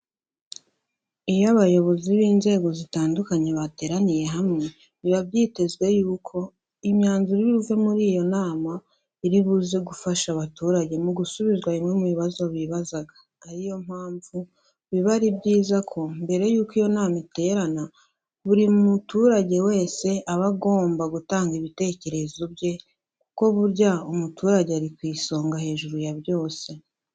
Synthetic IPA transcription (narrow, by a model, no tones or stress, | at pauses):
ijaβajo̞βo̞ziβiːnze̞ːɡo̞zitaːndukaɲe̞βate̞ːɾanije̞ɦamŋe̞ | βiβabɟiːte̞zɡwe̞juːkʰo̞ | imɲaːnzuɾiɾiuve̞muɾiːjo̞naːma | iɾiβuze̞ɡufaʃaβatuːɾaɟe̞muɡusuβizɡwaimŋe̞muβiβazo̞βiβazaɡḁːɾijo̞m̥haːɱvu | βiβaɾibɟiːzakʰo̞mbe̞ɾe̞juːkijo̞naːmite̞ːɾana | βuɾiumutuɾaɟe̞we̞ːse̞ʔaβaɡo̞ːmbaɡutaːŋɡiβite̞ːce̞ɾe̞zo̞bje̞ | kuko̞βuɾɟaumutuːɾaɟeaɾikwiːso̞ːŋɡahe̞ːʒuɾujabɟo̞ːse̞